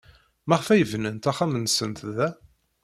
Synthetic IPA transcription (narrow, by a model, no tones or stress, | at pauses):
mæʁfæjəvnənt̪æχæmənsənt̪ðæ